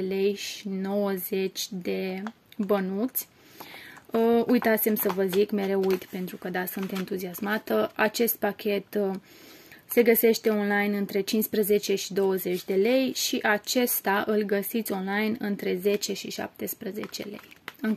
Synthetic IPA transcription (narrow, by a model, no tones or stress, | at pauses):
ele̞jʃino̞wəzet͡ʃʲd̪e̞ | bənut̪sʲ | əujt̪at̪se̞msəvəzikme̞ɾe̞wujt̪pe̞nt̪ɾukəd̪asɨnt̪ent̪uziasmat̪əat͡ʃe̞st̪̚pakʲʰe̞t̪ | se̞ɡəse̞ʃt̪e̞o̞nlajnɨnt̪ɾe̞t͡ʃinspɾəze̞t͡ʃe̞ʃid̪o̞wəze̞t͡ʃʲd̪e̞le̞jʃiʔat͡ʃe̞st̪aʔɨlɡəsit̪sʲo̞nlajnɨnt̪ɾe̞ze̞t͡ʃe̞ʃiʃa̰p̚t̪e̞spɾəze̞̰t͡ʃe̞̰lḛjɨŋ